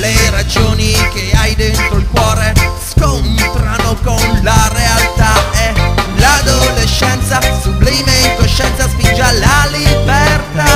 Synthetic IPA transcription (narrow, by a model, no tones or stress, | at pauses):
leɾad͡ʒoːnikeajd̪ent̪ɾoilkwɔːɾeskont̪ɾanokonlaɾealt̪aelad̪oleʃːɛnt̪sasubliːmeiŋkoʃːɛnt̪saspind͡ʒalalibert̪a